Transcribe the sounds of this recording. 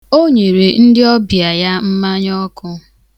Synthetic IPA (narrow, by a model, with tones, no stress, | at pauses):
o˦ɲe˨ɾe˨n̩˦dɪ˦ɔ˦bja˨ja˦m̩˦ma˦ɲ˦ɔ˦kʊ˦